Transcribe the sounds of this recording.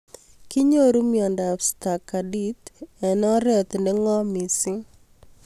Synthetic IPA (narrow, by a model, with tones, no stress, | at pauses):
kɪ˦ɲo˦ɾu˦mjɔ˨nda˨fsta˨ka˨di˦t̪ɛ˨n˦ɔ˦ɾɛ˦t̪nɛ˦ŋɔ˦mi˨sɪ˦